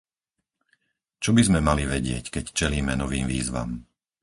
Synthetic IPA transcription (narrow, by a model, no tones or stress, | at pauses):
t͡ʃɔbizmɛmaliʋɛɟɪɛckɛct͡ʃɛliːmɛnɔʋiːmʋḭːzʋa̰m